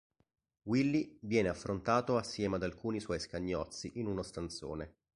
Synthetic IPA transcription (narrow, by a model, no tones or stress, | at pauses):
wilːivjɛːneafːɾont̪aːt̪oasːjɛːmad̪alkuːniswɔjskaɲːɔt̪sːiʔinunost̪ant̪so̰ːne